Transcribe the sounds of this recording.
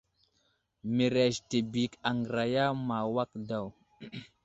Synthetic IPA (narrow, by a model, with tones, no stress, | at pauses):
mi˨ɾe˨ʃte˨bi˨ka˨ŋɡɾa˨ja˦ma˨wa˦k̚da˦˨w